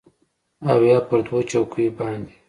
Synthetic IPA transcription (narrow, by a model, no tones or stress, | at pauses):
awjɑːpəɾd̪wot͡ʃawkʰubɑnd̪e